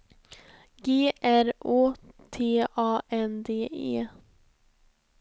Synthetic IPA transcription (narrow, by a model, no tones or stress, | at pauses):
ɡeːʔæɾoːt̪ʰeːʔɑːʔɛnd̪eːʔḛː